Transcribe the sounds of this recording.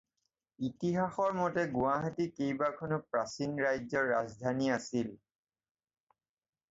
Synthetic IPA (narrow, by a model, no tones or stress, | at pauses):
itiɦaxɔɹmɔtɛɡʊaɦatikejbakʰɔnopɹasinɹajzɔɹːazdʱaniasil